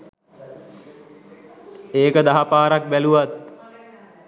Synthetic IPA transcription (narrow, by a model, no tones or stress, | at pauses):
eːkəd̪aɦapaːɾak̚bæluʋat̪̚